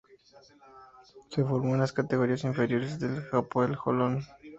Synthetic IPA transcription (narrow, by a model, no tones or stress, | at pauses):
se̞fo̞ɾmoenlaskat̪e̞ɣo̞ɾiasiɱfe̞ɾjo̞ɾezðelxapoelxo̰lon